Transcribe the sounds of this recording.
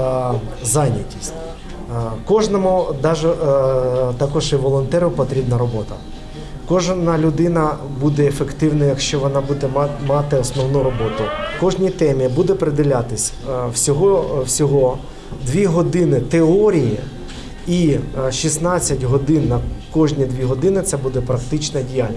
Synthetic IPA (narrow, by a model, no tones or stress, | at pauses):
zɑnʲɐtʲisʲtʲ | kɔʒnɔmʊd̪ɑʒɛ | t̪ɐkɔʒɛʋɔlˠɔnt̪ɛɾʊpɔt̪ɾʲibnɐɾɔbɔt̪ɐ | kɔʒnɐlʲʊd̪ɪnɐbud̪ɛːfekt̪ɪwnɐjɐkʃt͡ʃɔʋɔnɑbud̪ɛmɑt̪ɪɔsnɔwnuɾɔbɔt̪ʊkɔʒnʲijt̪ɛmʲibud̪ɛpɾed̪ʲɪlʲat̪ɪsʲ | wsʲɔɦɔwsʲɔɦɔ | d̪ʋʲiɦɔd̪ɪnɪt̪eɔɾʲijḭ | iʃisnɑt͡sʲːɐtʲɦɔd̪ɪnːɐkɔʒnʲid̪ʲʋʲiɦɔd̪ɪnɪt̪sɛbud̪ɛpɾɐkt̪ɪt͡ʃnɐdʲijalʲnʲ